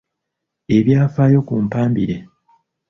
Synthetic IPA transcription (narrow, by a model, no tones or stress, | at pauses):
e̞βjaːfaːjo̞kuːmpaːmbiɾe